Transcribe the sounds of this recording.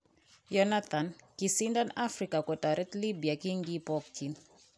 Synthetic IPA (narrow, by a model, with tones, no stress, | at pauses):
jɔnat̪ʰa˨nki˨sindanafɾika˨kɔ˨ta˨ɾɛ˦tli˦bi˨aki˦ŋɡi˦pɔktʰi˨n